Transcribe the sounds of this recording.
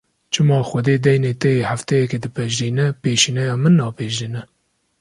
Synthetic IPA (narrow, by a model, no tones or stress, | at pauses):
t͡ʃʰɨmɑːxʷɛd̪eːd̪ɛjneːt̪ɛjehaft̪ɛjɛked̪ɨpʰɛʒd̪iːnɛpeːʃiːnɛjɑːmɨnːɑːpeːʒd̪inɛ